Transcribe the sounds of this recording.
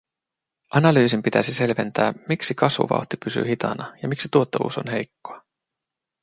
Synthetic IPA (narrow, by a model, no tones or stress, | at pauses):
ʔɑnɑlyːsimpit̪æ̰sise̞lʋent̪æːmiksikɑsʋṵʋɑ̰wt̪ipysy̰hit̪ɑ̰nɑjɑmiksit̪uot̪ːeɑlṵːso̞̰nhe̞jkːoɑ